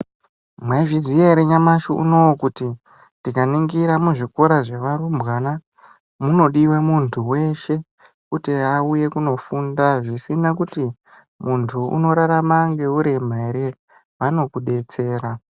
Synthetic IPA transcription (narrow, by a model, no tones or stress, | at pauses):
mwaiʐizijeɾeɲamaʃṵʔṵno̞wokuti | ndikaniŋɡiɾamuʐiko̞ɾaʐeʋaɾumbɣana | muno̞ɗiwemuntʰuwe̞ʃe̞ | kuteauje̞kuno̞fundaʐisinakuti | muntʰuṵno̞ɾaɾamaŋɡe̞uɾem̤aiɾi | ʋano̞kuɗe̞t͡se̞ːɾa